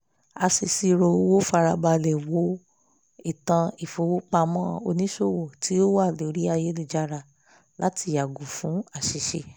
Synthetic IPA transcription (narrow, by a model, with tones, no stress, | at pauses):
a˧si˧˨si˧ɾo˧o˧wo˦fa˧ɾa˧ba˧lɛ˨wo˨˦ | i˦˨tã˧i˨fo˧˦wo˦k͡pa˧mɔ̃ː˦o˧nĩ˦ʃo˦˨wo˨ti˨˦o˦wa˦˨lo˨ɾi˦a˧je˦li˦˨d͡ʒa˧ɾa˧ | la˦ti˧˦˨ja˨ɡũ˨fũ˨˦a˦˨ʃi˨˧ʃe˧˨